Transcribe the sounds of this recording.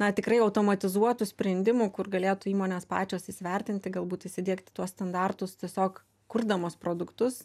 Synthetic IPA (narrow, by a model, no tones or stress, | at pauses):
nɐt̪ʲɪkɾɐɪɐʊt̪oːmɐt̪ʲɪzuɔt̪usʲpʲɾʲɛnʲd̪ʲɪmuːkʊrɡɐlʲeːt̪uːiːmoːnʲeːspɑ̰ːt͡ʃʲoːsisʲʋʲɛrʲt̪ʲɪnʲt̪ʲɪɡɐlˠbuːt̪ɪʃʲsʲɪd̪ʲiɛkt̪ʲɪ̥t̪uɔsst̪ɐnd̪ɑːrt̪ʊst̪ʲiɛsʲoːk | kʊrd̪ɐmoːspɾoːd̪ʊkt̪ʊs